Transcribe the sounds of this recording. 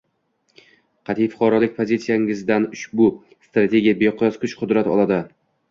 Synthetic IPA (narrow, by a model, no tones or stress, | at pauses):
qʰɑt̪ʰijfʊ̥qʰɒɾɒlɪk̚ʲpʰozit̪sijaŋɪzd̪anʊʃbʊ | st̪ɾat̪ʰe̞ɡʲijabeqʰʊjɒzqʰʊʃqʰʊd̪ɾat̪ɒ̰lˠad̪ɪ